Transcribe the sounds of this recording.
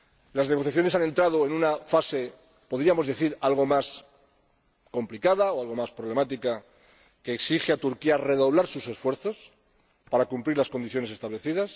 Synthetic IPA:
lazneɣo̞θjaθjo̞ne̞sane̞nt̪ɾað̞o̞e̞nunafase̞ | po̞ðɾiamo̞zðe̞θiɾalɣ̞o̞mas | ko̞mplikaðaoalɣo̞maspɾoβ̞le̞mat̪ika | ke̞ːksixeat̪uɾkiare̞ðo̞β̞laɾsuse̞sfwe̞ɾθo̞s | paɾakumpɾiɾlasko̞nd̪iθjo̞ne̞se̞st̪aβle̞θið̞as

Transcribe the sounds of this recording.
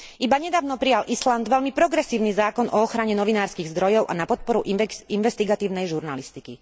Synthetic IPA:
ʔibaɲɛd̪aːʊnɔpɾijalʔisland̪ʋɛʎmipɾɔɡɾɛsiːʊnizaːkɔnʔɔɔxɾaɲɛnɔʋinaːɾskiɣzd̪ɾɔjɔʊʔa̰napɔt̪̚pɔɾuʔinʋɛst̪iɡat̪iːʊnɛjʒuɾnalist̪ikḭ

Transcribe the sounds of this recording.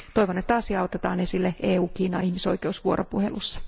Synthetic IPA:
t̪oiʋonːet̪ɑːsjɑot̪et̪ɑːnesilːeʔeːuːkiːnɑ̰ihmiso̞ikeusʋuo̰ɾʔopuhḛlusːɑ̥

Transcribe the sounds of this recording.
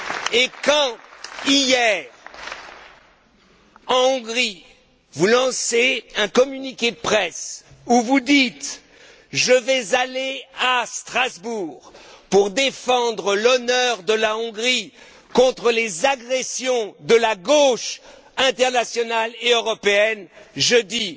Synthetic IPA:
ekɑ̃ijɛːʁ | ɑ̃ɔ̃ɡʁi | vulɑ̃seɛ̃kɔmynikʲed̪əpχɛsuvud̪it̪ | ʒəvɛzaleast̪χazbuːʁpuʁd̪efɑ̃d̪ʁəlɔnœʁd̪əlaɔ̃ɡʁi | kɔ̃t̪χəlezaɡʁɛsjɔ̃d̪əlaɡoʃ | ɛ̃t̪ɛʁnasjɔnaleøʁɔpeɛnʒəd̪i

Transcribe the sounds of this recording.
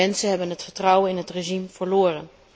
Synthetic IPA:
ɛnsənɦɛbənɦətfəɹtrɑwənɪnɦətreʒimv̥əɹloːrə̰n

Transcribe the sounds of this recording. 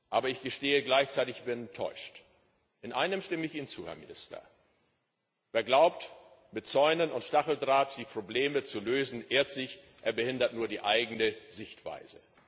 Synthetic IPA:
ʔaːbɐɪçɡ̥əʃteːəɡlaɪçt͡saɪtɪçb̥ɪntʰɔ̰ʏʃt | ʔɪnʔa̰ɪnəmʃtɪməɪçiːnənt͡suːhɛɐmɪnɪstɐ̰ | veːɐɡlaʊpt | mɪt̚t͡sɔʏnənʊntʃtaχl̩dʁaːtd̥iːpʁ̥obleːmət͡suløːzn̩ʔeːɐtz̥ɪç | ʔeːɐbəhɪndɐtnuːɐdiːʔaɪɡŋn̩əzɪçtv̥a̰ɪzə

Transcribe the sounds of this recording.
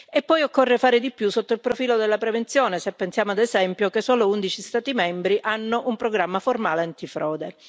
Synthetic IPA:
epːɔjokːorːefaːɾed̪ipːjusːot̪ːoilpɾofiːlod̪elːapɾevent̪sjoːnesepːensjaːmoad̪ezɛmpjokesːoːlound̪it͡ʃist̪aːt̪imɛmbɾiʔanːoʔumpɾoɡɾamːaformaːleant̪ifɾɔːd̪e

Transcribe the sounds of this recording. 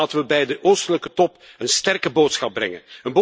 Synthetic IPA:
təʋəbɛjdəʔoːstələkətɔp | ənstɛrkəboːtsxɑb̚brɛ̰ŋə̰nənbo

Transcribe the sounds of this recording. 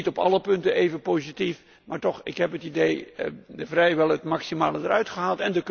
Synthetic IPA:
itɔpɑ̰ləpɵntənʔejvənpowzitif | maːɹtɔχɪkɦɛpətidejdəvrɛjʋɛlˠətmɑksimaːlədəɾœɥtχəɦaːlˠtɛndək

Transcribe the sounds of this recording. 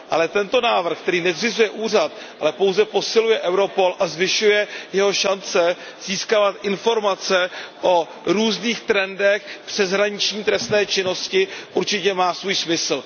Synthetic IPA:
ʔalɛt̪ɛnt̪o̞naːvr̩xk̚t̪ɛɾiːnɛzrɪzujɛʔuːr̝at̪ | ʔa̰lɛpo̞wzɛpo̞sɪlujɛʔɛwɾo̞po̞lʔazvɪʃujɛjɛɦo̞ʃant͡sɛ | z̥iːskavat̪ʔɪnfo̞ɾmat͡sɛʔo̞ | ɾuːzniːxt̪ɾɛndɛxpr̥ɛzɦɾaɲɪt͡ʃɲiːt̪ɾɛst̪nɛːt͡ʃɪno̞scɪʔuɾt͡ʃɪcɛmaːsvuːjsmɪsl̩

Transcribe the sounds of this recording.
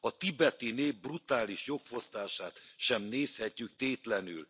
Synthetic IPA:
ɒt̪ibɛt̪ineːvbrut̪aːliʃjo̞kfo̞st̪aːʃaːt̪ʃɛmneːshɛcːyk̚t̪eːt̪lɛnyl

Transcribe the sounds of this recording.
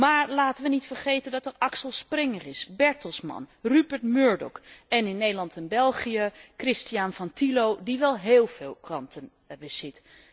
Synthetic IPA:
maːɹlaːtənʋənitfəɹχejtəndɑtɛrɑksəlˠsprɪŋərɪsbɛɹtəlˠsmɑ̰nrybəɹtmøːɹdɔ̰kɛnɪnːejdəlɑntɛnbɛlˠχiəkrɪstijanvɑntilowdiʋɛlˠɦeːlˠvɪːlˠkrɑntʰən | bəzɪt

